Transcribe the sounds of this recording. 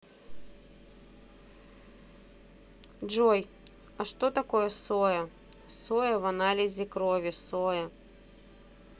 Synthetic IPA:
ʐoj | ɐʂt̪ot̪ɐkojɛsojɐ | sojɐvɐnalʲɪzʲɪkɾovʲɪsojɐ

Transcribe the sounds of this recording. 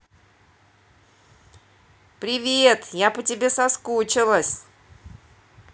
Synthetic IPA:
pɾʲɪvʲet̪japətʲɪbʲe̞sɐskut͡ɕɪlˠəsʲ

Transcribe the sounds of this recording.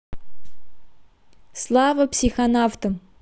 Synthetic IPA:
slˠɑvəpsʲixanaft̪əm

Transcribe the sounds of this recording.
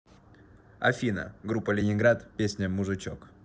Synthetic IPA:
ɐ̰fʲinə̰ɡɾupːəlʲɪnʲɪnɡɾat̪pʲesʲnʲəmʊʐɨt͡ɕok

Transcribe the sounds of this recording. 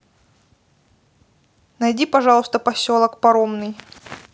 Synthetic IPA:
nɐjdʲipɐʐɑlˠʊst̪əpɐsʲolˠəkpɐɾomnɨj

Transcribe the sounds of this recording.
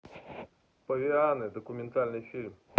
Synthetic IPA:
pɔvʲianɪd̪ɔkʊmʲɛnt̪alʲnɨjfʲilʲm

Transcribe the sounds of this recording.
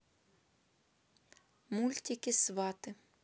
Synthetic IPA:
mulʲt̪ʲikʲɪsʋɑt̪ɪ

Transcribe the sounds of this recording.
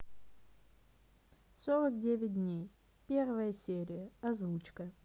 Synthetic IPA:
soɾək̚dʲevʲɪt̚ʲdʲnʲej | pʲervəjəsʲeɾʲɪjəɐzvut͡ɕkə

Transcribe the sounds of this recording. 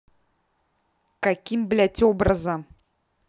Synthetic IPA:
kakʲimblʲætʲobɾɤzə

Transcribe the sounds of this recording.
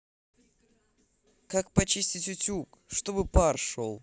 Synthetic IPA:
kak̚pɐt͡ɕisʲtʲɪtʲʊtʲukʂt̪obɨparʂolˠ

